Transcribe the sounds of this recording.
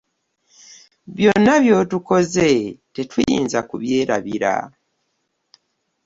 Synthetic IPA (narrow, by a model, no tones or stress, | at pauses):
βjo̞nːaβjo̞ːtuko̞ze̞tetwijḭːnzakuβje̞ːɾaβiɾa̰